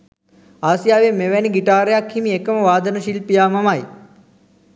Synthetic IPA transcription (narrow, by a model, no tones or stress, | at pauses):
aːsijaːʋemeʋɛniɡiʈaːɾejakhimiekəməʋaːd̪ənəʃilpijaːmamaj